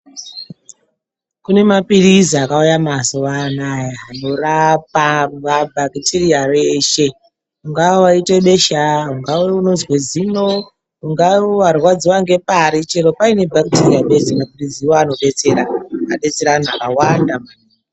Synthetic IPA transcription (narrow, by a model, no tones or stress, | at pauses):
kune̞mapiɾiziakaujamasoʋanajaɦano̞rap̚auabʱakitʰiriareʃe̞ | uŋɡawaiteɓe̞ʃaɦuŋɡaweuno̞zwezino | ɦuŋɡawarwad͡ziwaŋɡe̞paɾit͡ʃeɾopaine̞bʱakitiriaɓe̞senakutid͡ziwoano̞ɓe̞t͡se̞ɾaaɓe̞t͡se̞ɾan̤akawandama